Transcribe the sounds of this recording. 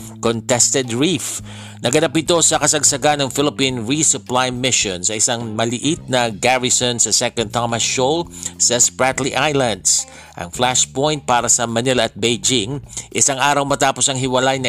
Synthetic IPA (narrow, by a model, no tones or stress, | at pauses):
kont̪ɛst̪ɛd̪ɹif | nʔɐɡɐnapɪt̪o̞sɐkɐsɐɡsɐɡanɐŋfɪlɪpinɹisʊplajmɪʃonsɐɪsaŋmɐlɪʔit̪̚nɐɡaɹɪsonsɐsɛkɐ̃nt̪amɐsolsɐspɹat̪liʔajlɐnd̪s | ʔɐ̰ŋflaʃpojnt̪̚paːɾɐsɐmɐnɪlɐɐt̪̚bejd͡ʒɪŋʔɪsaŋʔaːɾɐwmɐt̪aːpo̞sɐŋɦɪwɐlajnɐ